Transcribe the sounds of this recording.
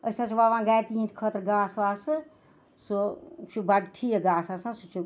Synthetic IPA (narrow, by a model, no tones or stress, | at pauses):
əsãːt͡ʃʰuʋaːʋãːɡaːjk̪iĩt̪ʰkʰət̪ɾɡaːsʋaːsɨ | sot͡ʃʰubɐɖʈʰiːeɡaːsaːsãːsut͡ʃʰu